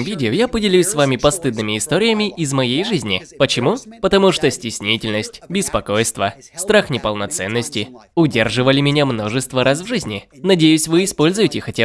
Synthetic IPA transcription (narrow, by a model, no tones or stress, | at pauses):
vʲidʲɪojapədʲɪlʲusʲsvamʲɪpɐst̪ɨd̪nɨmʲɪɪst̪oɾʲɪjəmʲɪʔɪzmɐjejʐɨzʲnʲɪpət͡ɕɪmupət̪ɐmuʂt̪osʲtʲɪsʲnʲitʲɪlʲnəsʲtʲbʲɪspɐko̞jst̪və | st̪ɾaxnʲɪpəlˠnɐt̪sɛnːəsʲtʲɪʊdʲerʐɨvəlʲɪmʲɪnʲamno̞ʐɨst̪vəɾʔasvʐɨzʲnʲɪnɐdʲejʉsʲvɨːspo̞lʲzʊjɪtʲɪxɐtʲa